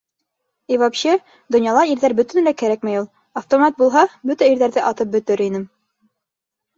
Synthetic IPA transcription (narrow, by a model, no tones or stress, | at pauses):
ivɑpɕɤ | d̪ŏnjɑlˠɑiɾðæɾbɵ̆t̪ɘ̆nlækæɾæk̚mæjulˠ | ɐft̪omɑt̪̚bulˠɦɑbɵt̪æiɾðæɾðɘʔɑt̪ɤp̚bɵ̆t̪ɘɾinɘm